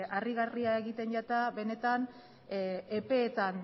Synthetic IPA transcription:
ariɣariae̞ɣit̪e̞nɟat̪aβe̞ne̞t̪an | epe̞ːt̪an

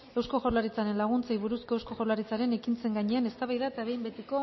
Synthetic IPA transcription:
e̞wsko̞ʝoɾlaɾit͡saɾe̞nlaɣ̞unt͡sajβuɾuskoewsko̞xo̞ɾlaɾit͡saɾe̞ne̞kint͡se̞ŋɡaɲe̞ane̞st̪aβajðaet̪aβe̞jmbe̞t̪eko̞

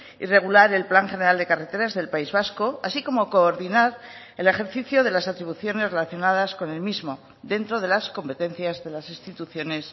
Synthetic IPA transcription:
ḭre̞ɣ̞ulaɾe̞lplaŋxe̞neɾald̪e̞kare̞t̪e̞ɾazðe̞lpaizβasko̞asiko̞mo̞ko̞ːɾðinaɾ | e̞le̞xe̞ɾθiθjoðe̞lasat̪ɾiβ̞uθjo̞ne̞zre̞laθjo̞nað̞asko̞ne̞lmizmo̞ | d̪e̞nt̪ɾo̞ð̞e̞lasko̞mpe̞t̪e̞n̟θjazðe̞lasinst̪it̪uθjo̞ne̞s

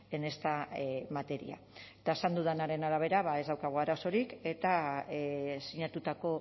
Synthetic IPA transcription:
e̞ne̞st̪amat̪e̞ɾḭa̰ | et̪aesand̪uð̞anaɾe̞naɾaβ̞e̞ɾaβae̞zðawkaɣ̞uaɾaso̞ɾike̞t̪a | siɲat̪ut̪ako̞

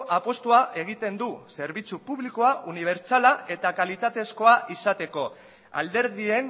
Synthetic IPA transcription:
apo̞st̪uaʔe̞ɣ̞it̪e̞nd̪use̞ɾβit͡supuβliko̞auniβ̞e̞ɾt͡salae̞t̪akalit̪at̪e̞sko̞aʔisat̪e̞ko̞ | a̰ld̪e̞ɾðie̞n

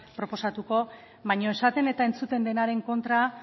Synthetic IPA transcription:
pɾo̞po̞sat̪uko̞ | βajɲo̞e̞sat̪e̞ne̞t̪ae̞nt͡sut̪e̞nd̪e̞naɾe̞ŋko̞nt̪ɾa

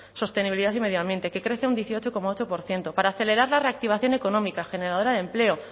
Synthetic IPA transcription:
so̞st̪e̞niβiliðaθime̞ð̞joãmbje̞nt̪e̞ke̞kɾe̞θeund̪jeθio̞t͡ʃo̞ko̞mao̞t͡ʃo̞po̞ɾθje̞nt̪o̞paɾaːθe̞le̞ɾaɾlare̞ak̚t̪iβ̞aθjo̞ne̞ko̞nõ̞mikaxe̞ne̞ɾaðoɾaðe̞mple̞o

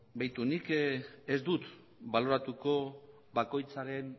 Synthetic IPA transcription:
bajt̪unike̞zd̪ut̪ | balo̞ɾat̪uko̞ | βako̞jt͡saɾe̞n

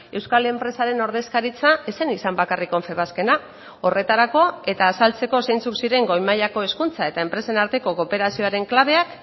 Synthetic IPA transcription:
e̞wskalempɾe̞saɾe̞no̞ɾð̞e̞skaɾit͡sae̞se̞nisambakariko̞ɱfe̞βaske̞na | o̞re̞t̪aɾako̞e̞t̪aːsalt͡se̞ko̞se̞jnt͡suksiɾe̞ŋɡo̞jmaʎako̞e̞skunt͡sae̞t̪ae̞mpɾe̞se̞naɾt̪e̞ko̞ko̞pe̞ɾasio̞aɾe̞ŋklaβ̞e̞ak

